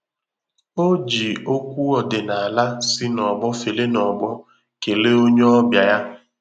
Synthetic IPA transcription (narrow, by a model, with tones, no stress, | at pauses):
o˦d͡ʒi˨o˦kʷu˦ɔ˨dɪ˨na˨a˨la˦si˦nɔ˨bɔ˦fe˨le˦nɔ˨bɔ˦ | ke˨le˦o˦ɲe˦ɔ˦bja˨ja˦